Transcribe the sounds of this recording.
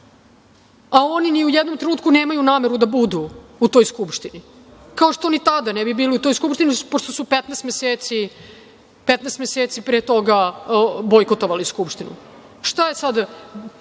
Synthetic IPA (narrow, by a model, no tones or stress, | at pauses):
ao̞niniujɛd̪nomt̪ɾenuːt̪kuneːmajunaːmeɾud̪abud̪uːt̪o̞jskupʃt̪ini | kaoʂt̪o̞nit̪ad̪anɛbibiːliut̪o̞jskupʃt̪iniupoʂt̪o̞supet̪nɛːst̪meseːt̪si | pet̪nɛːst̪meset̪sipɾet̪o̞ɡabojkot̪oʋaliskupʃt̪inṵ | ʂt̪ajesad̪